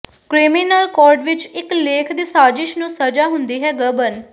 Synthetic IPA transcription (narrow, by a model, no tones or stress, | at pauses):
kɾiːmiːnəlkɔːɾɖʋɪt͡ʃɪkleːkʰd̪iːsaːd͡ʒɪʃnũːsəd͡ʒaːɦʊnd̪iːɦɛːɡəbən